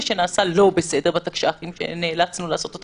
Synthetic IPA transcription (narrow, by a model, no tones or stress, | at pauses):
ʃe̞naːsalo̞bese̞de̞bat̪akʃaaχimʃḛneːlat͡snulaːso̞t̪ot̪